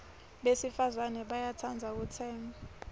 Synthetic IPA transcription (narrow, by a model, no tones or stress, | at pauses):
ɓesifazanɛɓajatʰand͡zʱak̬ut͡sʰɛːmba